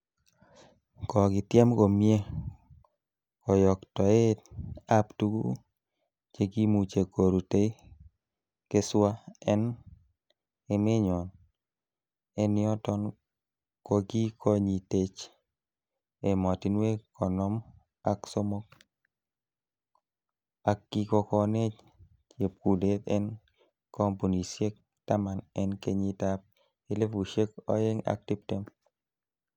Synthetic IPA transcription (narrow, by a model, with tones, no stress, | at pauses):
kɔ˨ɡɪ˨tjɛ˦mko˨mje˦ | kɔ˨jɔ˨ktɔ˨e˦a˦ptu˦ɡṵ˦ | t͡ʃe˦ɡi˦mu˨t͡ʃe˨ko˨ɾu˨te˦ | ke˦swa˦ɛ˦n | e˦mɪ˦ɲɔ˨n | e˦nɪ˦ɔ˦tɔ˦n | ko˦˧ɡi˦kʰɔ˦ɲi˨te˦t͡ʃ | e˨mɔ˨ti˨˦nwe˦kɔ˨nɔ˦m | a˨kso˦mo˦k̚ | a˨kɡi˦kɔ˧kɔ˧ne˦t͡ʃ | t͡ʃje˨p̚ku˨le˦t̪ɛ̰˦n | kɔ˦mpu˨ni˨sje˦k̚ | ta˦ma˨nɛ˦nke˦ɲi˦ta˦p̚ | i˦le˦fu˨ʃe˦kɔ̰˦je˦ŋa̰˦k̚ti˦p̚te˦m